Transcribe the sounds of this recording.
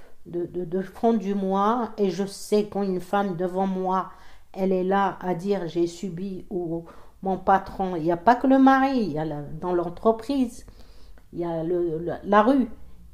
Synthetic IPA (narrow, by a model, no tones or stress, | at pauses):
d̪əd̪əd̪əfɔ̃d̪ymwaeʒəsɛkɑ̃ynfamd̪əvɑ̃mwa | ɛlɛlaad̪iʁʒesybiu | mɔ̃pat̪χɔ̃iljapakələmaʁiljald̪ɑ̃lɑ̃t̪χəpχiz | iljaləllaʁy